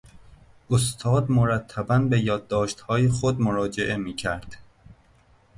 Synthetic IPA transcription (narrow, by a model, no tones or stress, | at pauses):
ʔos̬t̪ʰɒːd̪moɾæt̪ʰːæbænbe̞jɒːd̪ːɒːʃt̪hɒːjexod̪moɾɒːd͡ʒeʔe̞miːcʰæɾd̪̥